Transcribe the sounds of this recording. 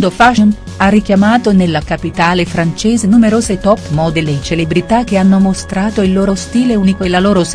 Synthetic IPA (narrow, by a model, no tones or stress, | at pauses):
d̪ofaʃon | arːik̟jamaːt̪onelːakapit̪aːlefɾant͡ʃeːzenumeɾoːzet̪ɔpːmod̪elet͡ʃelebɾit̪ak̟ːeanːomost̪ɾaːt̪oilːoːɾost̪iːleunikoelaloːɾos